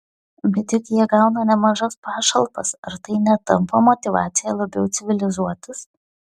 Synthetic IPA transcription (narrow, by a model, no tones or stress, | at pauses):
bʲɛt̪ʲɪkjiɛɡɑˑʊnɐnʲɛmɐʒɐspɑːʃɐlˠpɐ̰sɐɾt̪ɐɪnʲɛt̪ɐmpɐmɔt̪ʲɪʋɑ̰ːt̪sʲɪjɛlˠɐbʲɛʊt̪sʲɪʋʲɪlʲɪzuɔt̪ɐs